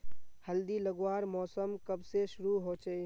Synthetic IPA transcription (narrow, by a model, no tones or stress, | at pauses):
həld̪iləɡwaːɾmɔːsəmkəbseʃʊɾuɦot͡ʃeː